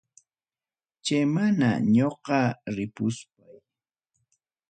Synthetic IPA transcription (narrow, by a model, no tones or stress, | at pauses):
t͡ʃajmana̰ɲoqɑɾɪpʊspaj